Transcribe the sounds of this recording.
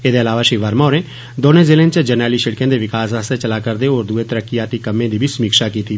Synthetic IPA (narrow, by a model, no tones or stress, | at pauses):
eːd̪eːəlaːʋaːʃɪʋaːɾmaːɾẽː | d̪oːnẽːzeːlẽːnt͡ʃd͡ʒəɾnɛːliːʃəɽkẽːd̪eːʋɪkaːsaːst̪eːt͡ʃəlaːkəɾd̪eːoːɾd̪ueːt̪əɾəkːɪjaːt̪iːkəmːẽːd̪iːbʱiːsəmiːkʃaːkiːt̪iː